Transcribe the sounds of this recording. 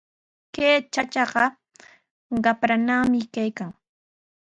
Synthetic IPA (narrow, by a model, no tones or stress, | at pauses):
keːt͡ʃat͡ʃɑɢɑ | ɢɑpɾanamɪkajkaŋ